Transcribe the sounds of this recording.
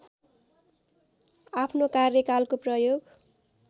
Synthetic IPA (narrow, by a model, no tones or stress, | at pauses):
apʰnokarjʌkalkoprʌjoɡ